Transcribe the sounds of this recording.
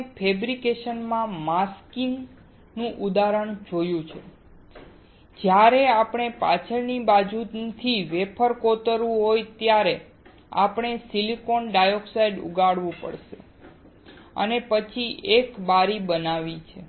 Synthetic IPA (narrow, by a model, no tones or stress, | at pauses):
pʰebɾikeʃənmãmaskiŋɡ | nũʔud̪aɾəɳ̃d͡ʒojũt͡ʃʰe | d͡ʒjaɾeapɳ̃epa̰t͡ʃʰəɾnibad͡ʒut̪ʰiʋepʰəɾkot̪əɾʋũɦojt̪jaɾe | a̰pɳ̃esilikonɖajoksajɖṵɡaɽʋũpə̰ɽʃḛ | ə̰nepət͡ʃʰiʔekbaɾibənaʋit͡ʃʰe